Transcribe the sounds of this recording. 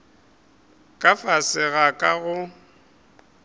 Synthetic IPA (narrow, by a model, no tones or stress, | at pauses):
kʼafasɪɣakʼaɣʊ